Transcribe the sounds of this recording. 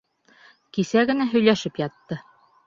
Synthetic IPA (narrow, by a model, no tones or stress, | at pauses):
kisæɡɘ̆næɦɵ̆jlæʃɘpjɑt̪ːɤ